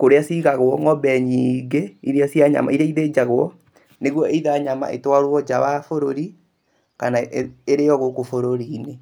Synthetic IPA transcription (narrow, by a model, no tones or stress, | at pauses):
koɾeasiɣaɣwɔŋɔbɛɲiːɡeiɾeasiaɲa̰ma̰iɾeaiðed͡ʒaɣwɔ | neɣwɔeiðaɲama̰ʔḛtwaɾwɔd͡ʒawafoɾoɾi | kanaʔeeɾeɔɣokofoɾoɾine